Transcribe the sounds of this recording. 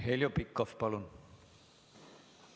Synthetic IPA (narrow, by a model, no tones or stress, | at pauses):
heljopikːofpɑlun